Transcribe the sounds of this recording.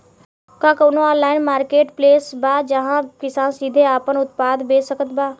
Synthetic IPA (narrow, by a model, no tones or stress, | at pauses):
kãːkoːnoɔːlaːɪnmaːɾkeːʈpleːsbaːd͡ʒəɦãkɪsaːnsid̪ʱeaːpənʊt̪̚paːd̪beːsəkət̪baː